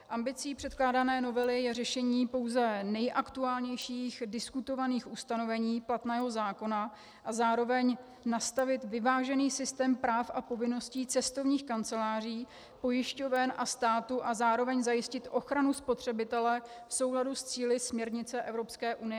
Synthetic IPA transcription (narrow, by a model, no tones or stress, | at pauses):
ʔambɪt͡siːpr̝̥ɛt̪̚klaːdanɛːno̞vɛlɪjɛrɛʃɛɲiːpo̞wzɛnɛjʔakt̪uaːlɲɛjʃiːxdɪskut̪o̞vaniːxʔust̪ano̞vɛɲiːplat̪nɛːɦo̞zaːko̞na | ʔazaːɾo̞vɛɲ | nast̪avɪt̪vɪvaːʒɛniːsɪst̪ɛːmpɾaːfʔapo̞vɪno̞sciːt͡sɛst̪o̞vɲiːxkant͡sɛlaːr̝iː | po̞jɪʃcovɛnʔast̪aːt̪uʔazaːɾo̞vɛɲzajɪscɪt̪ʔo̞xɾanuspo̞t̪r̝̥ɛbɪt̪ɛlɛfso̞wɦladust͡siːlɪsmɲɛɾɲɪt͡sɛʔɛvɾo̞pskɛːʔunɪjɛ